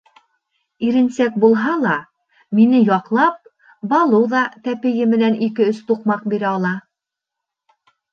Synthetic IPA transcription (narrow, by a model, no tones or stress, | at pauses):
iɾɘ̆nsæk̚bulˠɦɑlˠɑ | minɘjɒqlˠɑp̚ | bɑlˠɤwðɑt̪æpɘ̆jɘmɘ̆nænikɘɵst̪uqmɑq̚biɾæɑlˠɑ